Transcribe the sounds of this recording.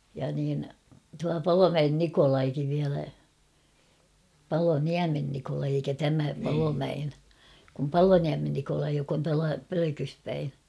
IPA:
jɑ niːn tuɑ pɑlomæen nikolɑikiʋ ʋiælæ pɑloniæmen nikolɑi eikæ tæmæ pɑlomæen kum pɑloniæmen nikolɑi jok on tuɑlɑ pøløkys pæi

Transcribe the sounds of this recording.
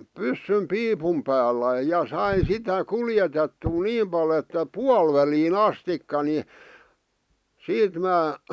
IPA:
pysːym piːpum pæːlːæ jɑ sɑin̞ sitæ kuljetetːuː niːm pɑl etːæ puɑl ʋæliːn ɑstikːɑ ni siːt mæː

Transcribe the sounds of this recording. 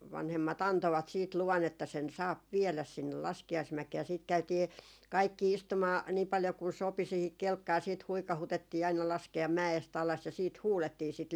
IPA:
ʋɑnhemːɑt ɑntoʋɑt siːt luʋɑn etːæ sen sɑːp ʋiɛlæs sinːel lɑskiɑismækeː jɑ siːt kæytiː kɑikːi istumɑː niː pɑljo kun sopi siːhik kelkːɑː siːt huikɑhutetːiː ɑinɑ lɑskeɑm mæest ɑlɑs jɑ siːt huːletːiː sit

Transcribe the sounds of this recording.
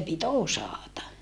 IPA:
pit osɑˑtɑ

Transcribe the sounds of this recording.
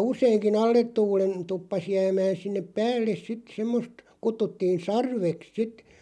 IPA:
useiŋkin ɑlːet tuːlen tupːɑs jæːmæːn̞ sinːep pæːlːes sit semːost kutːutːiːn̞ sɑrʋeks sit

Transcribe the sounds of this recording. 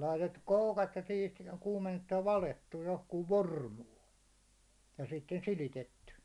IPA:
lɑitetːuk koukɑt jɑ siːt kuːmenːetːuj jɑ ʋɑletːuj johkuːʋ ʋormuː jɑ sitːen silitetːy

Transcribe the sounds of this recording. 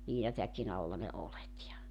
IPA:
liːnɑtækin ɑlːɑ ne olet jɑ

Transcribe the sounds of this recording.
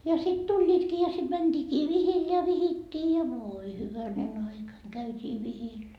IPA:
jɑ sit tulʲːiːtkiː jɑ sit mænd̥iːkiː ʋihil jɑ ʋihitːiː jɑ ʋoːi hyʋænen ɑikɑ kæytʲiː ʋihil

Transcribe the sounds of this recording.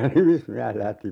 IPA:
nimismiæs læhti

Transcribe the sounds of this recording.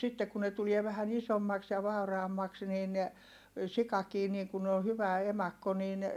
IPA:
sitːe ku ne tulie ʋæhæn isomːɑks jɑ ʋɑˑurɑːmːɑks niːn sikɑkiː niːŋ kun o hyʋæ emɑkːo niːn

